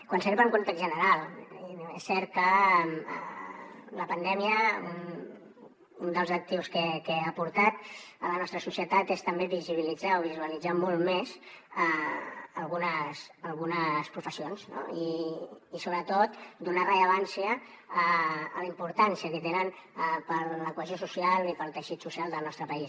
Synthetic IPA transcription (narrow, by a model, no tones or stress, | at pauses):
kwanseɾβəŋkont̪ɛkzʒənəɾalˠ | ḛsːɛɾt̪̚kəə | ləpənd̪ɛmiəun | und̪əlˠzək̚t̪iwskekeapuɾt̪at̪ələnɔst̪ɾəsusijət̪at̪est̪əmbeβiziβ̞ilid͡zaoβizuəlid͡zamɔlˠmezəəlˠɣunəsəlˠɣunəspɾufəsionzno̰iː | soβɾət̪ot̪d̪unarəʎəβ̞ansiəː | ləimpuɾt̪ansiəkət̪enənpəɾləkuəziosusialipəɾlˠt̪əʃit̪susialˠd̪əlˠnɔst̪ɾəpəis